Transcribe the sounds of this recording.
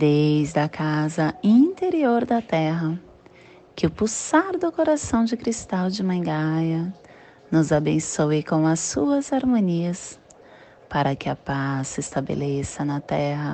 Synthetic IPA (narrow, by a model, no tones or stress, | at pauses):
d̪ejzd̪ɐkazɐĩt̪eɾioɾd̪ɐt̪ɛɦɐ | kɪʊpusaɾd̪ʊkoɾasɐ̃w̃d͡ʒɪkɾist̪awd͡ʒɪmɐ̃ɡajɐ | nʊzabẽsoɪkõw̃ɐsuɐzaɾmõniɐs | paɾɐkɪɐpasːɪst̪abḛlesɐnɐt̪ɛɦɐ